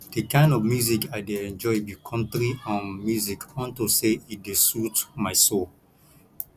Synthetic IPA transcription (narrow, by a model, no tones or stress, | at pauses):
d̥ekãɪ̃ndɔvmjuzikaɪdeɛ̃nd͡ʒɔɪbikʰɔ̃ntɾiɔ̃nmjuzikɔ̃ntuseidesutmaɪsol